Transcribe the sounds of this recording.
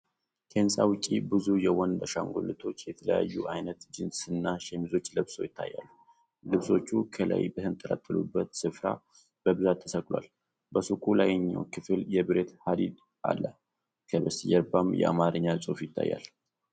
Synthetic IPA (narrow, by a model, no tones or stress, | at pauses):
kʰensʼawʊt͡ʃʼːibɨzujɛwɔnd̪əʃaŋɡo̰lɨt̪ʰo̞t͡ʃːjɛt̪ʰələjajːuʔajnət̪d͡ʒɨnsɨnːaʃɛmizo̞t͡ʃːlɨβso̞̰jɪt̪ʰːajːa̰lːu | lɨβso̞t͡ʃːukʰələ̰jbəhɨnt̪ʼːəlat̪ʰʼːəlṵbːət̪sɨfɾa̰ | b̥əbɨzat̪ʰːəsəkʼlwa̰l | bəsukʼulajɛɲːa̰wkʰɨfɨljɛbɨɾet̪had̪id̪ | ʔa̰lːə | kʰəbəsɨjɛɾbamjɛ̰ʔa̰maɾɨɲːasʼufjɪt̪ʰːa̰jːa̰l